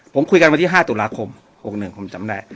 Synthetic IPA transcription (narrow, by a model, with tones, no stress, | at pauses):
pʰo˩˦mkʰu˧jka˧n˧a˧nt̪i˥˩ɦaː˥˩t̪uː˨˩laː˧kʰo˧m | ho˨˩k̚nɯ˨˩ŋkʰo˧mt͡ɕa˨˦mdaː˥˩j